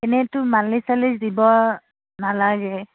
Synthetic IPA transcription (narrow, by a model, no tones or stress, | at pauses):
ɛnɛtʊmanlisalisdibɔ | nalaɡɛ